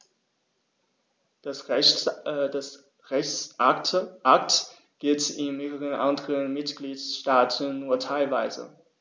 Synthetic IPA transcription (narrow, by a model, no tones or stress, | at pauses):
das | ʁɛçt͡s | ʔak̚t | ɡ̥ɪltɪnmeːʁəʁənʔa̰ndəʁənmɪtɡ̥liːtʃtaːtʰənːuːɐtʰaɪlvaɪzə̰